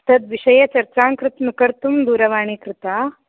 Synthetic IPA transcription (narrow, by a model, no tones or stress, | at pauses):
t̪ɐd̪ʋiʃɐjɐt͡ʃɐɾt͡ʃaːŋkɾɪt̪mukɐɾt̪umd̪uːɾɐʋaːɳ̃ikɾɪt̪aː